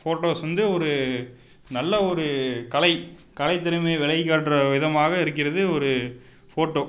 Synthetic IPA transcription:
foːʈːoːsʋɐnd̪ɯɔɾɯ | nɐlːɐɔɾɯkɐɭɐɪkɐlɐɪt̪ːɪɾɐmeːʋɛɭɐɪkːaːʈːrɐʋɪðɐmaːɣɐɪɾɯk̬ːɪɾɐðɯɔɾɯ | foːʈːoː

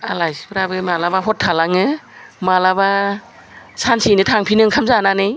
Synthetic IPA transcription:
alajspɾabɯmalabaɦɔtʰːalaŋɯmalaβa | sansinɯtʰaŋpʰinɯŋkʰamzananɯj

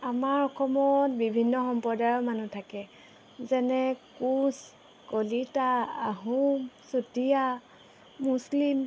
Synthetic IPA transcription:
amaɹɔkʰɔmɔtbibʱinːɔxɔmpɔdajɔmanutʰakɛ | zɛnɛkus | kolitaːɦumsutija | muslim

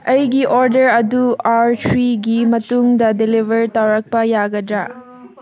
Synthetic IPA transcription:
ɐjɡiʔoɾdɐɾɐduaɾtʰɾiɡimɐtuŋdɐdelibʱɐɾtawɾɐk̚pɐjaɡɐdɾa

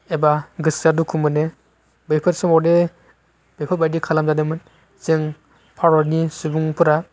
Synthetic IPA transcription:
ebaɡɯsadukʰumɯne | bepʰɯtsɔmɔde | b̥epʰɯt̚bajdikʰalamzadɯmɯn | sɯŋ | pʰaɾɔɾnisubuŋpʰɯɾa

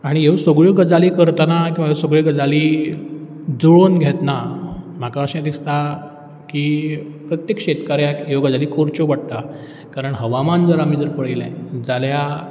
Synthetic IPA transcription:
aɽ̃iɦeʋsoɡɭəɡəd͡zaliːkəɾt̪anakĩʋaɦesoɡɭiɡəd͡zaliː | d͡zoɭonɡʱɛt̪nam̤akaəɕãd̪ist̪a | kiːpɾət̪jekɕet̪kaɾjãkɦeʋɡəd͡zaliːkʰoɾt͡ɕoʋaɽt̪a | kaɾəɳɦəʋamand͡zəɾamiːd͡z̪əɾpəɭelɛ̰̃d͡zalja

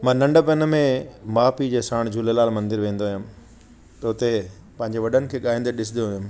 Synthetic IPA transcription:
mãːnɐ̃ɳɖəpɐnmẽmaːpid͡ʑeːsãːɽ̃d͡ʑʱuːlelaːlmɐ̃nd̪ɪɾʋẽːn̆d̪oaːjũm | t̪ɐʊt̪e | pɐ̃ɦɪ̃ɲd͡ʑeʋɐɗənɪ̆kʰeːɠaːɦĩːnd̪eɗɪs̬ɪd̪ijoʊm

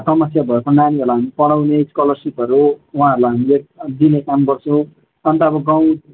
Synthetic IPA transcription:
sʌmʌsjabʱʌekonaniʌɾlaɦamipʌlawneskʌlʌrsipʌɾuwɦãːʌɾulaɦamiek̚d̪inekamɡʌrt͡sʰʌw̃ | ʌnt̪ʌbʌɡãw̃

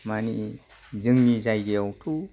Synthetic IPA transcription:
mani | zɯŋnizajɡejɔwtʰu

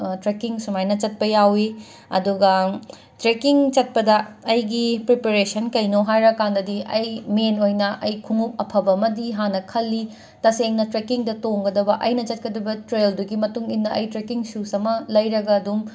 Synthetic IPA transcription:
tɾekiŋsumajnɐt͡ʃɐt̚pɐjawi | ɐ̰duɡɐ | tɾekiŋt͡ʃɐt̚pɐdɐːjɡipɾipeɾesɐnkɐjnoɦajɾɐkandɐdiʔɐjmenojnɐʔɐjkʰuŋuk̚ɐpʰɐbɐmɐdiɦanɐkʰɐlːi | tɐseŋnɐtɾekiŋdɐtoŋɡɐdɐbɐʔɐjnɐt͡ʃɐt̚kɐdɐbɐtɾelduɡimɐtuŋinːɐʔɐjtɾekiŋsusɐmɐlɐjɾɐɡɐːdum

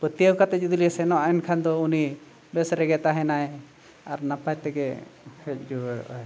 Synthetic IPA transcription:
pət̪ijəwkat̪ɛd͡ʒud̪ulisɛnɔʔaɛnkʰand̪ɔuni | bɛsɾɛɡɛt̪aɦɛnaj | aɾnapajt̪ɛɡɛhɛt̚ˀd͡ʒuəɽɔ̰ɛ

